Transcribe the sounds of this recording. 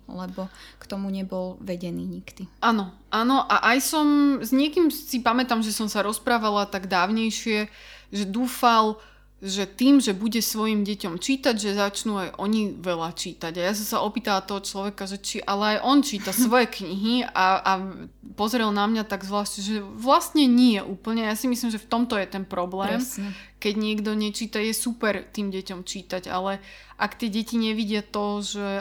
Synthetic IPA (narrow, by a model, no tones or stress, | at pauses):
lɛbɔkt̪ɔmuɲɛbɔlʋɛɟɛniːɲikd̪̥ianɔʔanɔʔaʔajsɔmzɲɪɛkiːmsipamɛt̪amʒɛsɔmsaɾɔspɾaːʋalat̪aɡd̪aːʊɲɛjʃɪɛʒɛd̪uːfal | ʒɛt̪iːmʒɛbuɟɛsʋɔjimɟɛcɔmt͡ʃiːt̪aɟʒɛzat͡ʃnuajʔɔɲiʋɛlat͡ʃiːt̪aɟajas̬ɔmsaʔɔpiːt̪alat̪ɔɦɔt͡ʃlɔʋɛkaʒɛt͡ʃiʔalɛajʔɔnt͡ʃiːt̪asʋɔjɛkɲiɦiaapɔzɾɛlnamɲat̪aɡzʋlaːʃɛʒɛʋlast̪ɲɛɲiɛʔuːpl̩ɲɛajasimislimʒɛft̪ɔmt̪ɔjɛt̪ɛnpɾɔblɛːkɛɟɲɪɛɡd̪ɔɲɛt͡ʃiːt̪ajɛsupɛɾt̪iːmɟɛcɔmt͡ʃiːt̪aɟa̰lɛ | ʔakt̪ɪɛɟɛciɲɛʋiɟɪat̪ɔʒɛ